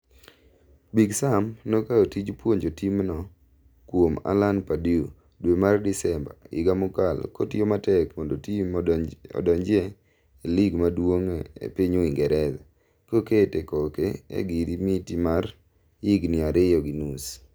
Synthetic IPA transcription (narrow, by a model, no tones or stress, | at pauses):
biɡsamnokaotid͡ʒpwoɲd͡ʒotimnɔ | kwoma̰lanpadiu | dwemardɪsɛmba̰ɪ̰ɡamʊkalko̰tɪomatɛkmɔndotimɔ̰dɔɲd͡ʒɪe | eliɡmadwoŋḛpiɲoiŋɡɛɾɛza | koketekɔkeḛɡiɾimitimar | iɡnɪaɾejɔɡinus